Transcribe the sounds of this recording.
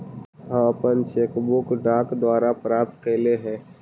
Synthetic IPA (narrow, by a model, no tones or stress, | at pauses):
ɦə̃məpənt͡ʃeːkbʊkɖaːkd̪waːɾapɾaːp̚t̪̚kəleɦɛ̃ː